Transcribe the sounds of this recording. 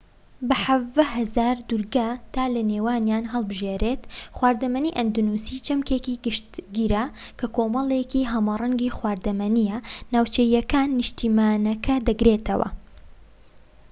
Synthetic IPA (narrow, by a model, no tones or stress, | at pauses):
bɐħɐvd̪ɐɦɐzaːɾd̪uɾɡat̪ʰaːlɐneːwaːnjaːnɦɐlˠbɨʒeːɾeːt̪xwaːɾd̪ɐmɐniʔɐnd̪unuːsit͡ʃɐmkekiɡɨʃt̪ɡiːɾakʰɐkoːmɐlˠekiɦɐmarˤɐŋɡiːxwaːɾd̪ɐmɐnijɐnaːwt͡ʃejɐkaːnːɨʃt̪iːmaːnɐkʰɐd̪ɐɡɾeːt̪ʰɐwɐ̰